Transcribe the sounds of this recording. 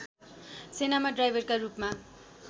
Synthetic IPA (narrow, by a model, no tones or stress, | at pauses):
senamaɖrajbʱʌrkarupma